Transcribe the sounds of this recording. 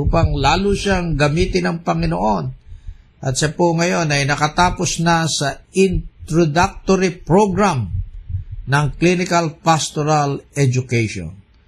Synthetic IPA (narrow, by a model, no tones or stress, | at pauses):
uːpɐŋlaːluʃaŋɡɐmiːt̪ɪnɐŋpɐŋɪnoʔon | ʔɐt̪ʃapoŋɐjo̞nɐjnɐkɐt̪aːposnasɐɪnt̪ɾod̪ak̚t̪oɾipɹoɡɾam | nɐŋklinɪkɐlpast̪oɾalɛd͡ʒʊkɛjʃo̰n